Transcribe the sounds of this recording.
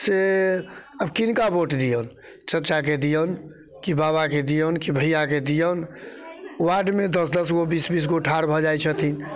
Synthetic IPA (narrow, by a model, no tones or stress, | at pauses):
se | əbkinkaboʈd̪ijən | t͡ʃətːt͡ʃak̬ed̪ijən | kibaβaked̪ijənkibʱəjaked̪ijən | waɖmed̪əsd̪əsɡobisbis̬ɡoʈʰaɾbʱɔd͡ʒajt͡ʃʰət̪ʰin